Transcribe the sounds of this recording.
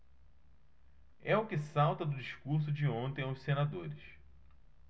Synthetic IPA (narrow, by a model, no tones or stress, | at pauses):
ɛʊkɪsawt̪ɐd̪ʊd͡ʒiʃkuɾs̬ʊd͡ʒɪõnt̪ẽj̃ʊssenad̪oɾɪʃ